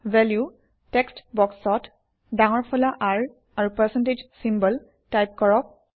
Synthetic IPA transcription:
vɛlju | tɛkstbɔksɔt | daŋɔɹpʰɔlaʔaɹ | aɹupɛsɛnted͡ʒsimbəl | tajp̚kɔɹɔk̚

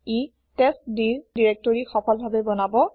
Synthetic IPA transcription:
i | tɛstdiɹdiɹek̚tɔɹixɔpʰɔlbʱabɛbɔnabɔ

